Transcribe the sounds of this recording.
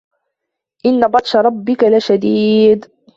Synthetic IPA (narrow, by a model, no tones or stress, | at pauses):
ʔɪnːabɑt̪ˤʃɑɾˤɑbːɪkalaʃad̪iːd̪